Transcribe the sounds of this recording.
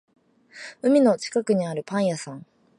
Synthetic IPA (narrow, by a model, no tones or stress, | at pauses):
ɯ̟mʲino̞t͡ɕi̥kakɯ̟ɲ̟iaɾɯ̟pãɰ̃jasãŋ